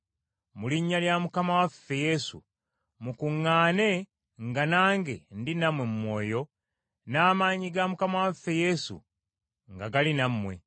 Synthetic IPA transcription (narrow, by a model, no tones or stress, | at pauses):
muliɲːaljamukamawafːe̞je̞sṵ | mukuŋːaːne̞ | ŋɡanaːŋɡe̞ndinamwe̞mumwo̞ːjo̞ | naːmaɲiɡamukamawafːe̞je̞sṵ | ŋɡaɡalinamwe̞̰